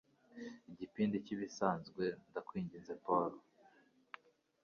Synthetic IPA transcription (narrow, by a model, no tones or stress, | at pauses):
iɟipiːndiciβisaːnzɡwe̞ndakwiːɲɟinzepoɾo